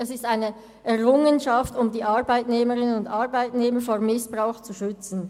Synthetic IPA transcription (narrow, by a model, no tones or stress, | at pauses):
ɛsɪstaɪnə | ʔɛʁʊŋənʃɑftʊmdiːʔɑʁbaɪtneːməʁɪnənʊndɑʁbaɪtneːməfoːɐmɪsb̥ʁaʊxt͡suʃʏt͡sn̩